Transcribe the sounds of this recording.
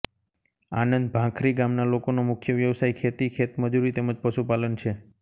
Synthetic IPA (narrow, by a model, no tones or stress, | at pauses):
a̰nənd̪̚bʱãkʰɾiɡamnalokonomʊkʰjəʋjəʋsaikʰet̪ikʰet̪məd͡ʒuɾit̪eməd͡ʒpəʃupalənt͡ʃʰe